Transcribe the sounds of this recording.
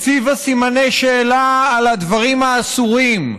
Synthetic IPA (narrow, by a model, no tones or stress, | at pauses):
fivasimane̞jʃe̞ːlaːlad̪vaʁimaːsuʁim